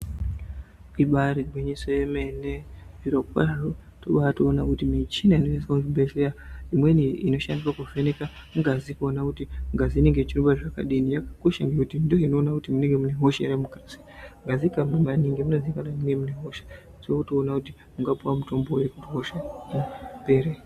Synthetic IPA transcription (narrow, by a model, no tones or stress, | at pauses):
iɓaɾiɡʱweɲisojeme̞neiɾokwa̰aro | toɓaatoːnakutimit͡ʃinainoesauubeʃeaimweniino̞ʃa̰ndiwakuvenekamuŋɡazikuonakutiŋɡaziːneŋɡet͡ʃiruɓaʐaka̰ɗinijakḁkoʃaŋɡekutindijo̞ino̞ːnakutimuneŋɡe̞muneɦoʃejaɾemukrasi̥ | ŋɡazikamunamaniŋɡemunezikananinemuneɦo̞ʃe̥ | tiokutoːnakuti | muŋɡapuwamuto̞mbojekutiɦoʃa | peɾe